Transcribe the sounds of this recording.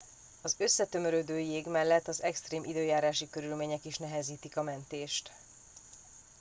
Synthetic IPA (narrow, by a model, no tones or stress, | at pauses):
ɒzøsːɛt̪ø̞mø̞ɾøːd̪øːjeːɡmɛlːɛt̪ːɒzɛkst̪reːmʔid̪øːjaːɾaːʃikøɾylmeːɲɛkiʃnɛɦɛziːt̪ikɒmɛnt̪eːʃt̪